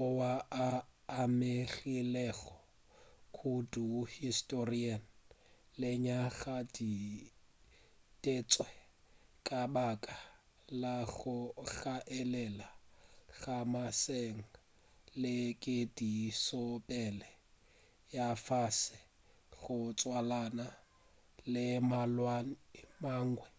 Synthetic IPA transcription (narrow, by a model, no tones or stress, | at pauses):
ʊwaaːmeɣilɛɣɔ | kʰuduhistʼorian | lɪɲaɣadi | tʼet͡sʼwɛ | kʼabakʼa | laɣʊɣaʔɛlɛlaɣamaseŋ̩ | lɪkʼɪdisɔpʼɛlɛ | jafasɪ | ɣʊt͡sʼwalana | lɪmalwanmaːŋ̩ɡwɛ